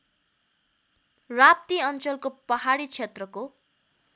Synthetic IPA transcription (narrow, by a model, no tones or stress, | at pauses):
rap̚t̪iʌnt͡sʌlkopʌɦaɽit͡sʰet̪rʌko